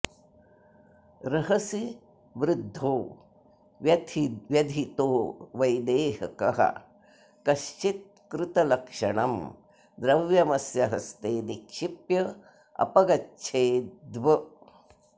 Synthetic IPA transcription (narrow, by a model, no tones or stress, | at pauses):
ɾɐɦɐsi | ʋɾɪd̪ʱːoː | ʋjɐt̪ʋjɐd̪ʱit̪oːʋɐjd̪eːɦɐkɐɦɐ̰ | kɐʃt͡ʃit̪̚ | kɾɪt̪ɐlɐkʂɐɳɐ̰m | d̪ɾɐʋjɐmɐsjɐɦɐst̪eːnikʃipjɐ | ɐ̰pɐɡɐtːʃʰeːd̪ʋɐ